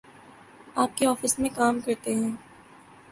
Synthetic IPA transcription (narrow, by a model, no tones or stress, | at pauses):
aːp̚keɔːfɪsmẽkaːmkɐɾt̪eɦɛ̃ː